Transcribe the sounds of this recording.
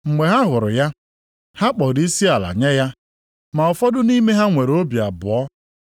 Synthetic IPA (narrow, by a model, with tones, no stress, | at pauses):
ŋ͡m̩˨ŋʷe˨ɦa˦ɦʊ˨ɾʊ̰˨ja˦ | ha˦k͡pɔ˨di˦si˦a˨la̰˨ɲe˦ja˦ | ma˨ɔ˨fɔ˦dʊ˦ni˦me˦ɦa˦ŋʷe˨ɾo˦bja˨bʊ˨ɔ˦